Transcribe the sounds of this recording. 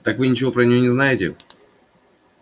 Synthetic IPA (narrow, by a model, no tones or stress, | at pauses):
t̪akvɨnʲɪt͡ɕɪvo̞pɾənʲɪjo̞nʲɪznajɪtʲɪ̰